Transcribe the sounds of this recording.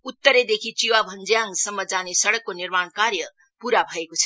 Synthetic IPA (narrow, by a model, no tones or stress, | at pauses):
ut̪ːəɾed̪ekʰit͡ʃiwabʱʌnd͡zjaŋsʌmːʌd͡zanesʌɽʌkːonirmaɳ̃kaɾjʌ | puɾabʱʌekot͡sʰʌ̥